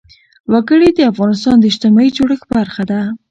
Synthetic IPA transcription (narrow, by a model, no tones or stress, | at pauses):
waɡəɽed̪əafɣɑnɪst̪ɑnd̪əɪʃt̪ɪmɑid͡ʒoɽəxbaɾxad̪a